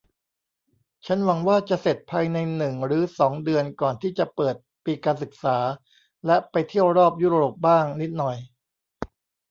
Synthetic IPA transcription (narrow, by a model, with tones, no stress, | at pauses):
t͡ɕʰa˦˥nwa˧˦ŋwaː˥˩t͡ɕa˨˩se˨˩t̪̚pʰaː˧jna˧jnɯ˨˩ŋɾɯː˩˦sɔː˩˦ŋdɯ˧ənkɔː˨˩nt̪ʰiː˥˩t͡ɕa˨˩pɤː˨˩t̪̚piː˧kaː˧nsɯ˨˩k̚saː˩˦ | lɛ˦˥pa˧jt̪ʰi˥˩əwɾɔː˥˩p̬̚juː˦˥ɾɾoː˨˩p̚baː˥˩ŋni˦˥t̪̚nɔ˨˩j